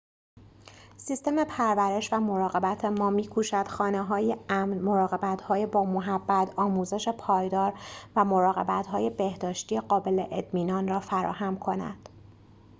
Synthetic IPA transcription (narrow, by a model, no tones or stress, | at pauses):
sist̪e̞me̞pʰæɾvæɾe̞ʃvæmo̞ɾɒːɣe̞bæt̪ʰe̞mɒːmiːkʰuːʃæd̪̥xɒːneɦɒːjeæmɾmo̞ɾɒːɣe̞bæt̪ʰhɒːjebɒːmoɦæbːæt̪ʰɒːmuːze̞ʃe̞pʰɒːjd̪ɒːɾvæmo̞ɾɒːɣe̞bæt̪ɦɒːje̞be̞hd̪ɒːʃt̪ijeɢɒːbe̞le̞ʔet̪miːnɒːnrɒːfæɾɒ̰ːhæmkʰo̞næ̰d̪̥